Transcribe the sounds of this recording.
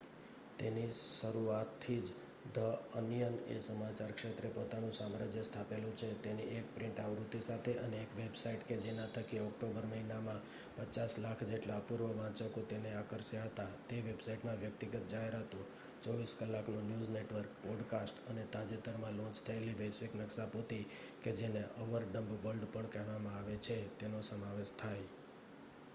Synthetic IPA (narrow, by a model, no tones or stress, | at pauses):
t̪eniʃəɾuat̪ʰːid͡ʒ | d̪ʱəənjənḛsəmat͡ʃaɾkʃet̪ɾepot̪anũsamɾad͡ʒjəst̪ʰapelũt͡ʃʰet̪eniekpɾɪ̃ɳʈaʋɾut̪ːisat̪ʰeʔəneːkʋebsaiʈked͡ʒenãt̪ʰəkiɔk̚ʈobəɾməɦinamã | pət͡ʃaslakʰd͡ʒeʈlapuɾʋəʋãt͡ʃəkot̪eneakəɾsjaɦət̪at̪eʋebsaiʈmãʋjək̚t̪iɡət̪̚d͡ʒaɦeɾɦət̪ũ | t͡ʃɔʋiskəlːaknonjud͡ʒneʈʋəɾkpɔɖkasʈənet̪ad͡ʒet̪əɾmãlɔ̃t͡ʃt̪ʰəeliʋəjsʋiknəksapot̪i | ked͡ʒeneʔɔʋəɾɖəmbʋəlɖpəɳkəɦʋamãaʋet͡ʃʰet̪enosəmaʋeʃt̪ʰaj